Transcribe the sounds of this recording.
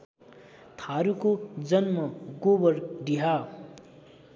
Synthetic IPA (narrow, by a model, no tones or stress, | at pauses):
t̪ʰaɾukod͡zʌnmʌɡobʌrɖiɦa